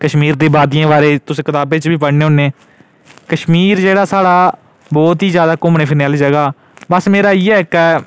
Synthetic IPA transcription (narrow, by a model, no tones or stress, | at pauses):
kəʃmiːɾd̪eːbaːd̪ɪjãːʋaːɾeːt̪ʊsẽːkɪt̪aːbeːt͡ʃbiːpəɽneːʊnːẽː | kəʃmiːɾd͡ʒeːɽaːsaːɽaː | bɔːt̪ɦiːzjaːd̪aːkʊmneːpʰɪnɛːld͡ʒəɡaː | bəsmeːɾaːiːɛːkə